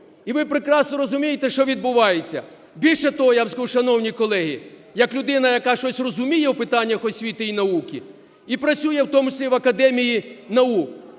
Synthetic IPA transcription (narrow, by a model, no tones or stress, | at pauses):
iʋɪpɾekɾɑsnɔɾɔzʊmʲijet̪ɛʃt͡ʃɔʋʲid̪̚bʊʋɑjet͡sʲːɐ̰ | bʲilʲʃɛt̪ɔɦɔjazkʃɐnɔwnʲikɔlˠɛɦijɐklʲʊd̪ɪnɐjɐkɑʃt͡ʃɔsʲrɔzʊmʲijɛwpɪt̪ɑnʲːɐxɔsʲʋʲit̪ɪinɐukʲi | ipɾɐsʲujɛwt̪ɔmʊt͡ʃɪ̥sʲlʲiʋɐkɐd̪ɛmʲijinɐuk